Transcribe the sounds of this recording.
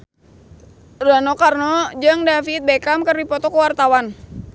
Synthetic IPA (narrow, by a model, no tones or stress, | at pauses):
ranɔkarnɔd͡ʒəŋdafiːt̪̚bɛkamkərdipɔt̪ɔkuwart̪awan